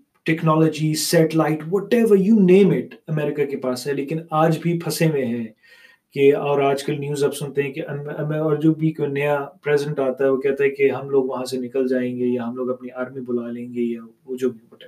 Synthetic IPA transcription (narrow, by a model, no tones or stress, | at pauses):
ʈɛknɔːlɔːd͡ʒisɛʈlaɪʈʋɔːʈɛːʋəɾjuːnẽːmɪʈɐmɛːɾɪkakepaːsɦɛleːkɪnaːd͡ʒbʱipʰɐsẽmẽɦɛ̃ː | keɔːɾaːd͡ʒkɐlnjuːzɐbsʊ̃nt̪eɦɛ̃keʔɐɐɔːɾd͡ʒoːbʱikojnɐjapɾɛːzɪə̃ɳʈaːt̪aɦɛʋokɛɦt̪aɦɛkeɦɐmloːɡʋɐɦãsenɪkəld͡ʒaːẽːŋɡejaɦɐmloːɡɐpneaːɾmibʊlalẽːŋɡejaʋod͡ʒoːbʱibɐʈː